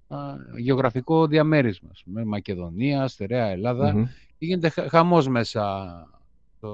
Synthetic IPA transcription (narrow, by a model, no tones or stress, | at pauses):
ʝeoɣɾɐfiko̞ðiɐme̞ɾizmɐːspumemɐce̞ðo̞niɐst̪eɾeɐe̞lɐðɐceʝine̞t̪e̞xɐmo̞zme̞sɐ | o